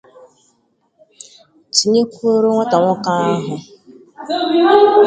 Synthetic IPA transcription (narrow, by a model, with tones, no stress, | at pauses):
ti˨ɲe˦kʷo˦ɾo˦ŋʷa˦ta˨ŋʷʊ˦ka˦a˦ɦʊ˨